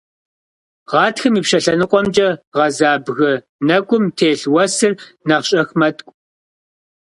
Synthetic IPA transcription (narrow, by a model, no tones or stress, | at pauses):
ʁɑːtxɨmiːpʃɐɬɐnɨqʷʼɔmd͡ʒʼɐʁɐzaːbɣɨ | nɐɡʷʼʊmtʰeːɬwɐsɨrnɐʁɕʼɐxmɐtʼkʷʼ